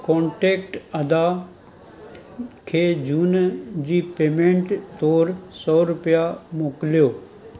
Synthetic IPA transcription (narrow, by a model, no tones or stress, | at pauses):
kɔ̃ːɳʈeːkʈɐd̪a | kʰeːd͡ʑuːnd͡ʑiːpeːmẽɳʈt̪ɔːɾsɔːɾʊpijamoːkljoː